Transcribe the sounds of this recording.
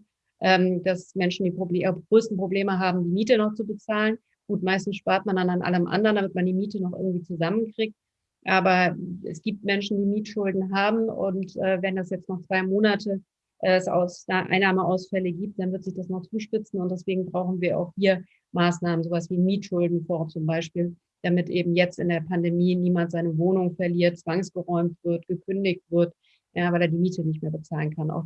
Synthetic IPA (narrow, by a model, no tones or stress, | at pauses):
ʔɛːmd̥asmɛnʃn̩diːpʁ̥obɡ̥ʁøːstn̩pʁ̥obleːməɦaːbm̩diːmiːtənɔχt͡subət͡saːlən | ɡ̥uːtmaɪstn̩sʃpaɐtmandananʔa̰ləmʔa̰ndəʁəndamɪtmandiːmiːtənɔχʔɪ̰ɐɡŋ̩tv̥iːt͡suzamənkʁ̥ik̚t̚ | ʔaːbɐʔɛ̰sɡ̥iːp̚tmɛnʃn̩diːmiːtʃʊldn̩ɦaːbm̩ʊ̰ntʔɛːvɛndasjɛt͡stnɔχt͡sv̥aɪmoːnatʰə | ʔɛsʔa̰ʊsaʔa̰ɪnaːməʔaʊsfɛləɡiːp̚t̚d̥anvɪɐtz̥ɪçd̥asnɔχt͡suːʃpɪt͡sn̩ʊntd̥ɛsv̥eːɡŋ̩bʁaʊxn̩viːɐʔa̰ʊxhiːɐ | maːsnaːmənzoːvasv̥iːmiːtʃʊldn̩fɔɐt͡sʊmbaɪʃpiːl | d̥amɪtʔeːbm̩jɛt͡stɪndeːɐpʰandemiːniːmantz̥aɪnəvoːnʊŋfɛɐliːɐt̚t͡sv̥aŋsɡ̥əʁɔʏmtv̥ɪɐtɡ̥əkʰʏndɪçtv̥ɪɐt | jaːvaɪleːɐdiːmiːtənɪç̬tmeːɐbət͡saːlənkʰanʔa̰ʊx